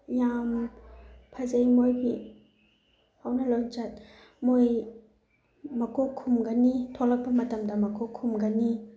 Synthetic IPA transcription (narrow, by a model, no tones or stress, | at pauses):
jam | pʰɐzɐjmojbi | hawnɐlont͡ʃat̚ | moj | mɐkokʰːumɡɐnitʰolɐk̚pɐmɐtɐmdɐmɐkʰɔkʰːumɡɐni